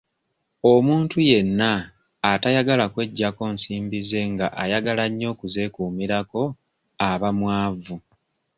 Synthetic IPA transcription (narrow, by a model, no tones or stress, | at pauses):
o̞muːntuje̞nːaː | tajaɡalakwe̞ɟːako̞ːnsiːmbize̞ŋɡaʔajaɡalaɲːo̞ːkuze̞ːkuːmiɾako̞ | aβamwaːvu